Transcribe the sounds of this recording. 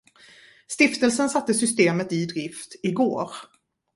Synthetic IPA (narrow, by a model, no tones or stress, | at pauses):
st̪ɪft̪əlsənsat̪ːəsʏst̪eːmət̪ɪd̪ɾɪft̪ɪɡoːɾ